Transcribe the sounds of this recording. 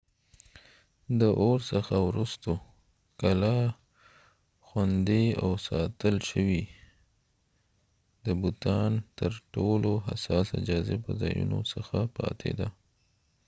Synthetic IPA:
d̪əʔoɾsəxawɾust̪o | kala | xwand̪eawsɑt̪əlʃəwi | d̪əbut̪ɑnt̪əɾʈoloɦa̰sɑsɪd͡ʒɑzepəzɑjṵno̰səxapɑ̰t̪ʰḛd̪a

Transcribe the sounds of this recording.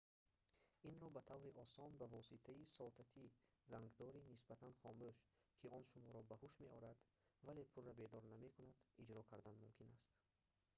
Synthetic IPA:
inɾɔbat̪ʰavɾiʔɔsɔnbavɔsit̪ʰaisɔlt̪ʰat̪ʰizaŋɡd̪ɔɾinisbat̪ʰanχɔmbøʃ | kʰiɔnʃumɔɾɔbahuʃme̞ʔɔɾad̪ | vale̞pʰurːabed̪ɔɾname̞kʰunad̪̥id͡ʒɾɔkʰaɾd̪anmumkʰinast̪

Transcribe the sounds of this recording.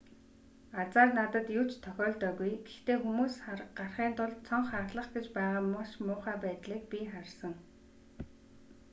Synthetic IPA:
at͡saːrnat̪ə̆t̪jʊt͡ɕt̪ʰœxʲɔːɮt̪œːɣujɡ̥ext̪eːxumuːsɢarχiːnt̪ʊɮt͡sʰɔɴχarɮə̆χɡet͡ɕpæːʁaːmaʃmʊːχaːpæːt̪ɮiːk̚pʲiχarsə̆ŋ

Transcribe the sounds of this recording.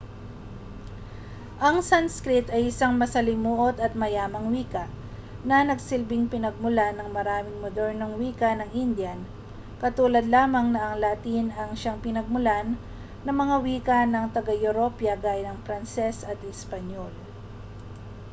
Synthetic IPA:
ʔɐŋsanskɾɪt̪ɐjɪsaŋmɐsɐlɪmuːʔot̪ɐt̪̚mɐjaːmɐŋwiːkɐʔ | nɐnɐɡsɪlbɪŋpɪnɐɡ̚mʊlanːɐŋmɐɾaːmɪŋmod̪ɛɹnoŋwiːkɐnɐŋʔind̪jɐn | kɐt̪uːlɐd̪laːmɐŋnɐʔɐŋlat̪inɐŋʃaŋpɪnɐɡ̚mʊlanː | ɐŋmɐŋawiːkɐnɐŋt̪ɐɡajʊɾopjɐɡaːjɐnɐŋfɾɐnsɛsɐt̪ɪspɐɲol

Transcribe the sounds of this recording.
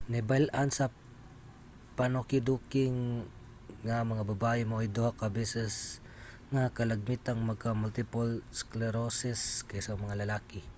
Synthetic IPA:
nɛbalʔansɐ | panokɪd̪ukɪŋː | amɐŋababaʔɪmoʔjd̪ohakabɛsɛs | ŋakɐlɐɡ̚mit̪aŋmɐɡ̚kamʊlt̪ɪpolsklɛɾosɪskajsɐmɐŋalɐlaːkɪ

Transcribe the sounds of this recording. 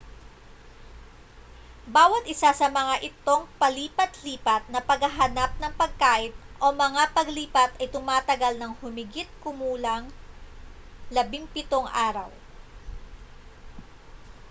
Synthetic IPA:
baːwɐt̪ʔɪsasɐmɐŋaʔɪt̪o̞ŋpɐliːpɐt̪liːpɐt̪̚nɐpɐɡhɐɦɐnap̚nɐŋpɐɡ̚kaːʔɪt̪̚ʔo̞mɐŋapɐɡliːpɐt̪ʔɐjt̪ʊmaːt̪ɐɡalnɐŋhʊmɪɡit̪̚kʊmuːlɐŋ | lɐbɪŋpɪt̪o̞ŋʔaːɾɐ̰w

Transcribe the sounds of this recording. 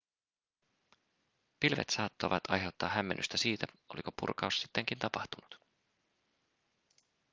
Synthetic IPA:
pilʋḛt̪sɑːt̪ːo̞̰ʋɑt̪ɑ̰jɦe̞wt̪ːɑːhːæmːe̞nʔy̰st̪æsiːt̪æ | o̞liko̞pṵrkɑussi̥t̪ːe̞ŋkint̪ɑpɑht̪unut̪

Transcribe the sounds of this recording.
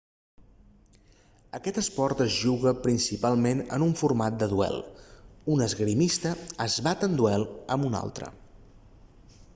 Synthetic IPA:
əkɛt̪əspɔɾt̪əzʒuɣəpɾinsipalˠmenə̰nuɱfurmat̪̚d̪əðuɛ̰lˠunəzɣɾimist̪əːzβat̪ənd̪uɛlˠəmuna̰lˠt̪ɾə̰

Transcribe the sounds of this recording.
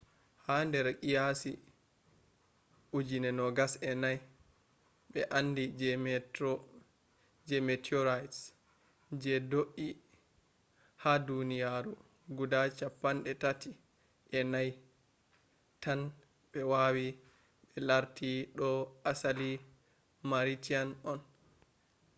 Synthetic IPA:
handɛɾkijasi | ʔud͡ʒinɛnɔɡasɛnaj | ɓɛʔanːdid͡ʒɛmɛ | d͡ʒɛmɛtɔɾajts | d͡ʒɛdoʔi | hadunijaɾu | ɡudat͡ʃapːanɗɛtati | ʔɛnaj | tan | ɓɛwawi | ɓɛlaɾtiɗɔʔasali | maɾitianɔn

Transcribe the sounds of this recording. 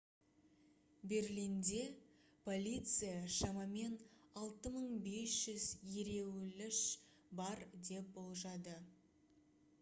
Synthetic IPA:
be̞ɾlijnd̪e̞ | pʰo̞lʲijt̪sɨjaʃɑmɑme̞nɑlˠt̪əməɴbe̞sʒ̥ʏzje̞ɾe̞wlɪʃ | bɑɾd̪e̞p̚bolˠʒɑd̪ə

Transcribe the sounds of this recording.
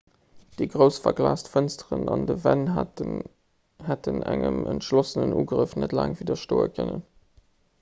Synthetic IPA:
d̥eɡʁəʊsfɐɡlaːstfənstəʁənɑndəvæn | hætʰənæŋəməntʃlosənənʔuːɡʁəfnətlaːŋviːdɐʃtoːəkʰənən

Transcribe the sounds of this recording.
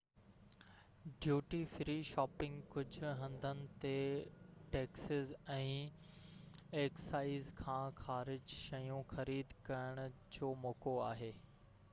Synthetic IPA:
ɖjuːʈifɾiːʃɔːpɪ̃ŋɡkʊd͡ʑʱʊ̆ɦɐ̃nd̪ʱənɪ̆t̪eʈeːksɪzɛ̃ː | eːksaːɪzkʰãːxaːɾɪd͡ʑʃɐjũxɐɾiːd̪kɐjəɽ̃ʊ̆d͡ʑoːmoːkoaːɦeː

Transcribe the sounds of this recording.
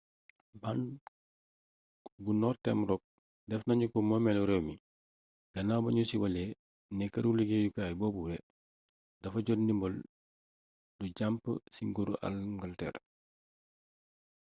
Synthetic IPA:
ban | ɡunɔrtɛmɾɔk̚ | dɛfnɐɲukɔmɔmɛluɾɛwmi | ɡ̥ɐnabɐɲusiwɐle | nɛkɐɾuliɡejukaːjbɔːbuɾɛ | d̥ɐfɐɟɔdnimbɔl | duɟampsiŋɡoɾuʔa̰lŋɡaltɛ̰ɾ

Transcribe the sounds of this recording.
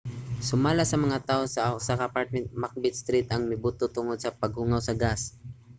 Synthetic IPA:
sʊmaːlasɐmɐŋat̪aːʔosɐʊsakaʔːpaɹt̪̚mɛnt̪̚mak̚bɪt̪st̪ɾit̪ɐŋmɪbut̪ot̪ʊŋod̪̚sɐpɐɡ̚huŋawsɐɡas

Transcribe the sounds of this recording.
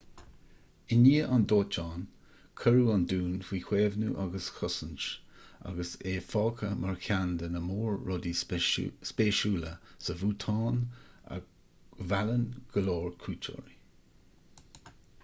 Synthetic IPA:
ɪniːʔand̪oːt͡ʃɑːn | kʰəɹuand̪uːnfiːkʰweːvnuʔaɡəsxʊsənt͡ʃa̰ɡəseːfɑːkʰəmʔaɹkʰʲand̪ənəmoːɹːɔd̪i | speːʃuːləsəvuːt̪ʰɑːna̰ | valənɡ̥əloːɹkʰuːt͡ʃʰo̰ɹi

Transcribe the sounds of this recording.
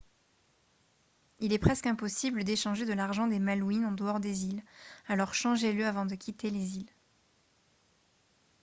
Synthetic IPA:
ilɛpχɛskɛ̃pɔsibləd̪eʃɑ̃ʒed̪əlaʁʒɑ̃d̪emalwinɑ̃d̪əɔʁd̪ezilalɔʁʃɑ̃ʒeləavɑ̃d̪əkʲʰit̪ʰelezil

